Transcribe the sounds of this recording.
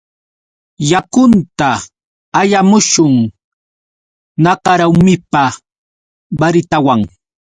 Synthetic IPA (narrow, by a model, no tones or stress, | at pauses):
jakʊnt̪aː | jamʊʃʊŋ | nɑkɑɾawmɪpa | baɾɪt̪awaŋ